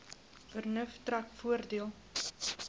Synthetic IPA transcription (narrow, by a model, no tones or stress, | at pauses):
fərnəftrakfuərdiəlˠ